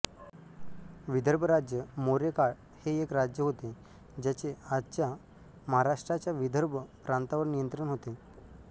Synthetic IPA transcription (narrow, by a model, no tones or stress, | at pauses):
ʋid̪ʱəɾbʱəɾad͡ʑjəmoɾekaɭ | heekɾad͡ʑjəɦot̪e | d͡ʑat͡ɕeadt͡ɕja | məɦaɾaʂʈɾat͡ɕjaʋid̪ʱəɾbʱəpɾãnt̪aʋəɾnijənt̪ɾəɳɦot̪e